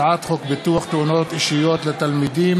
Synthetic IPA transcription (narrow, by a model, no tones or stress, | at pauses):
ʕat̪χokbet̪uaχt̪eunot̪iʃijot̪let̪almid̪im